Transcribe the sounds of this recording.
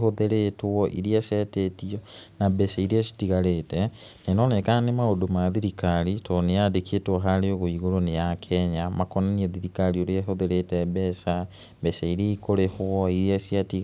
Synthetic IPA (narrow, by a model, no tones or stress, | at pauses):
hoðeɾetwɔʔḭɾiasɛtetiɔnabɛsaiɾiasi̥tiɣaɾetɛ | nenɔnekanemaodomaðiɾikaɾitɔneadeketwɔɦaɾeoɣoiɣoɾonejakʰɛɲamakɔnɔniɛðiɾikaɾioɾeaɦoðeɾetɛbɛsa | bɛsaiɾeikoɾehwɔiɾiasiatiɣ